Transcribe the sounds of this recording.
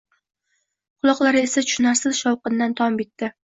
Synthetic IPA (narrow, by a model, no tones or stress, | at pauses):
qʰʊlˠɒqlˠaɾɪe̞sat͡ʃʰʊ̥ʃnaɾsɪzʃɒwqɨnd̪ant̪ʰɒmbet̪ːɪ